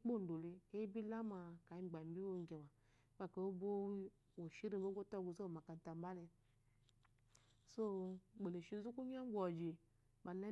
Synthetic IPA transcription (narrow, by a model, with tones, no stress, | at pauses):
k͡po˦˨n̩˨do˨li˧e˦bi˦la˦ma˨ka˨i˦˨ɡ͡ba˨m˨˦bi˦o˦ŋ˦ɡe˨ma˨˦ | ba˨ka˨o˦bo˦ | wo˨ʃi˦ɾi˦bo˦ɡʷo˦to˦˨ɡu˨zo˦˨ma˨ka˨n˨ta˨m˦ba˦le˧ | so˦ɡ͡be˨le˨ʃi˦zu˦ku˦ɲ˦a˦ɡʷɔ˨d͡ʒi˨ | ba˨ne˦